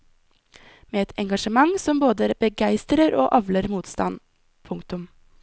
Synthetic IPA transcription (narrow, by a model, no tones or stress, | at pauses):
meːɛt̪ʰɛŋɡɑʂəmɑŋsɔmboːd̪əbəɡæɪst̪ɾəɾo̰ːʔɑʋləɾmuːt̪st̪ɑ̰n | pʰʊŋkt̪ʊm